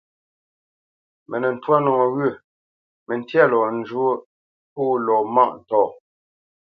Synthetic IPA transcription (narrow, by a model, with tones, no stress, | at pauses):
mɛ˨nɛ˨n̩˨twa˦nɔ˨ŋo˨ɣɥʉ˦˨ | mɛ˨n˦tja˦˨lɔ˨n̩˨˦d͡ʒu˦ | poː˦lɔ˨ma˦˨ʔn̩˨tɔː˨